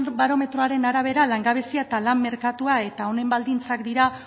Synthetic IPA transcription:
baɾo̞me̞t̪ɾo̞aɾe̞naɾaβ̞e̞ɾalaŋɡaβ̞e̞siaet̪alammːe̞ɾkat̪uae̞t̪ao̞ne̞mbald̪int͡sakd̪iɾa

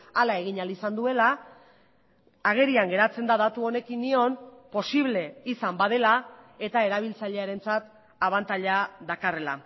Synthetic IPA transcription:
alae̞ɣiɲalisand̪ue̞la | aɣ̞e̞ɾiaŋɡe̞ɾat͡se̞nd̪aðat̪uo̞ne̞kinːio̞npo̞siβle̞isambað̞e̞lae̞t̪ae̞ɾaβ̞ilt͡saʎe̞aɾe̞nt͡sat̪ | aβant̪aʎaðakare̞la̰

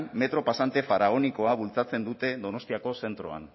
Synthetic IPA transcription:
nme̞t̪ɾo̞pasant̪e̞faɾaɣ̞o̞niko̞aβ̞ult͡sat͡se̞nd̪ut̪e̞ðo̞no̞st̪iako̞se̞nt̪ɾo̞̰a̰n

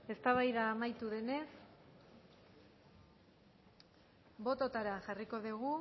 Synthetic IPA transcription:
e̞st̪aβajðaːmajt̪uðe̞ne̞s | bo̞t̪ot̪aɾanʝariko̞ðeɣu

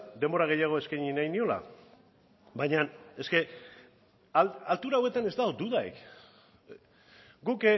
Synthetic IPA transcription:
d̪e̞mbo̞ɾaɣ̞e̞jaɣ̞o̞e̞skajɲinajnio̞la̰ | bajɲane̞ske̞ | alt̪uɾawe̞t̪ane̞zt̪aod̪uðaj̰k | ɡuk

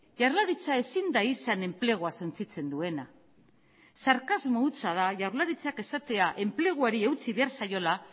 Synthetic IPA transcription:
ʝawɾlaɾit͡sae̞sind̪aisane̞mple̞ɣ̞oaso̞nt͡sit͡se̞nd̪ue̞na | saɾkazmout͡sað̞aʝawɾlaɾit͡sake̞sat̪e̞aʔe̞mple̞ɣ̞uaɾie̞wt͡siβe̞aɾsajo̞la

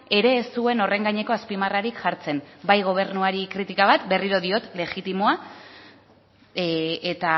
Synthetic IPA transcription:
e̞ɾe̞ːst̪ue̞no̞re̞ŋɡaɲe̞ko̞aspimaraɾikʝaɾt͡se̞nbajɣo̞β̞e̞ɾnuaɾikɾit̪ikaβ̞at̪beriɾo̞ðio̞t̪le̞ɣit̪imoa | et̪a

